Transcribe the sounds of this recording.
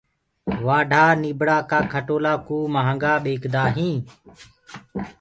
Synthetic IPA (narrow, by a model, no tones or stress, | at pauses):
ʋaːɖʱaːniːbɽaːkaːkʰəʈoːlaːkuːmaɦəŋɡaːɓeːkd̪aːɦĩː